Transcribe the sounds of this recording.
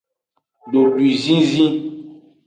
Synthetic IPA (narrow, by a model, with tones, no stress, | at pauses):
ɖo˨lwi˨zĩ˦zĩ˦